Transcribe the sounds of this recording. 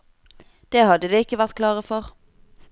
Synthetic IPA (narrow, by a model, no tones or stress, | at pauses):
d̪̥eːhɑd̪əd̪eːɪkːəʋæʁt̪kʰlɑːʁəfɔʁ